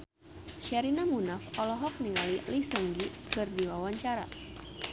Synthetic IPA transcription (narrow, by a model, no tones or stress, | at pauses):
ʃɛɾinamunafɔlɔɦɔk̚niŋalilisəŋɡikɨrdiwawaɲt͡ʃaɾa̰